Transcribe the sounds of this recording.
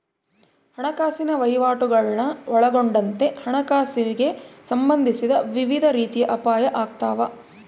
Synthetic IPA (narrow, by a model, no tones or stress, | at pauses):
hɐɳɐkaːsinɐʋɐjʋaːʈuɡɐɭnɐɔɭɐɡoɳɖɐnt̪e̞hɐɳɐkaːsiɾiɡe̞sɐmbɐnd̪ʱisid̪ɐʋiʋid̪ʱɐɾiːt̪ijɐʔɐpaːjɐʔaːk̚t̪aːʋɐ